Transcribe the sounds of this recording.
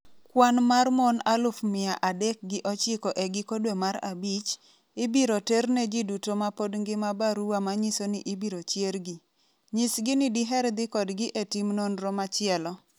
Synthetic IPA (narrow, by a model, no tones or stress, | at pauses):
kwanmarmonalʊfmɪaʔadɛk̚ɡɪʔɔt͡ʃɪkɔʔɛɡɪkodwemaɾabit͡ʃ | ɪbiɾoterned͡ʒidutomapodŋɡɪmabaɾuwamaɲisonɪʔɪbiɾot͡ʃjerɡɪ | ɲɪsɡɪnɪdiɦɛɾd̪ɪkɔdɡɪʔetimnonɾɔmat͡ʃɪɛlɔ